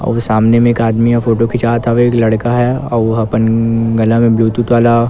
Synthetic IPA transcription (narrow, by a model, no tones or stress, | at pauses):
ɔ̰ːʋsaːmnemẽːkaːd̪mijafʰoːʈokʰɪt͡ʃaːt̪ʰaʋeːklɐɽkaɦɛɔːʋɦɐpənɡɐlãmẽbluːt̪ut̪ʋaːla